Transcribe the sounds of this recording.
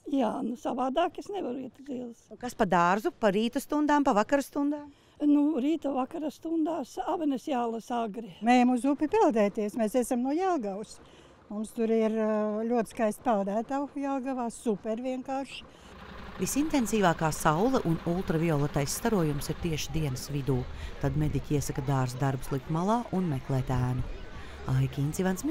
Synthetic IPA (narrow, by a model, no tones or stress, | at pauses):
jaːnusaʋaːd̪aːkesneʋaɾuiɛt̪zilˠsukaspad̪aːɾzupaɾiːt̪ɐst̪und̪aːmpavakaɾst̪und̪aːm | nuɾiːt̪avakaɾast̪und̪aːsavɐnesjaːlˠɐsaɡɾimɛjɐmuzupʲipilˠd̪ɛːt̪iɛsmesesamnuɔjalˠɡaws | mumst̪uɾɪɾlʲuɔɪ̥skajst̪ʲpɛlˠd̪æːt̪awjalˠɡaʋaːsupʲɛɾviɛŋkaːɾʃ | visint̪ensiːvaːkaːsawlˠɛʔunulˠt̪ɾaviɔlˠɛt̪ajsːt̪aɾuɔjumsiɾt̪iɛʃid̪iɛnɨsvid̪uːt̪ad̪med̪icʲiɛsakad̪aːɾsd̪aɾbu̥slˠik̚t̪malˠaːʔunmɛklˠɛːt̪æːnu | ajkʲint̪sʲivans